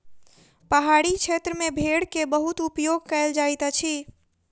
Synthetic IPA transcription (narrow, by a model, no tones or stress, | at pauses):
pəɦaɽit͡ʃʰet̪ɾəmebʱeɽkebəɦut̪upjoɡ̚kəeld͡ʒajt̪ət͡ʃʰi